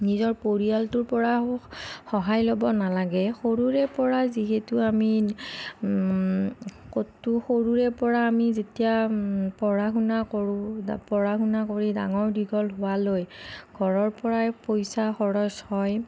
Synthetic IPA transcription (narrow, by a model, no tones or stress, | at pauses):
nizɔɹpoɹialtʊɹpɔɹa | xɔɦajlobɔnalaɡɛxoɹuɹɛpɔɹaziɦetuami | kotːuxoɹuɹɛpɔɹaːmizetijapɔɹaɦunakɔɹupɔɹaɦunakoɹida̰ŋɔɹdiɡɔlɦʊwalojɡʱɔɹɔɹpɔɹajpojsaxɔɹɔshɔj